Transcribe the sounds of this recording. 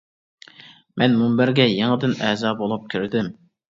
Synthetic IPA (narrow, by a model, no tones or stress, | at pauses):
mɛnmumbɪɾɡʲɛjeŋɨd̪ɪnɛːzɑːbolˠup̚kʲʰiɾɪd̪ɪm